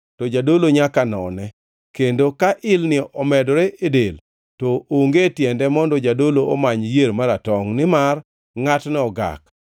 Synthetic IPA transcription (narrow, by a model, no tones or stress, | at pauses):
tɔd͡ʒadoloɲakanɔ̰nɛ | kendokaʔɪlnɪʔɔmɛdɔɾeʔedel | tɔoŋɡetjɛndɛmɔndɔd͡ʒadoloʔɔmaɲjeɾmaɾatɔŋnɪmar | ŋatnɛɔɡa̰k